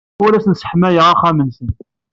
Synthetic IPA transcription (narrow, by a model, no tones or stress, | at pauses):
ʊɾæsənsə̥ħmæjəʁɑχæmənsən